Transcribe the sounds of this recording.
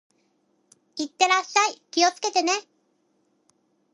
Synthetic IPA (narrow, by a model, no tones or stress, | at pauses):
it̪ːeɾaʃːajkijosket̪ene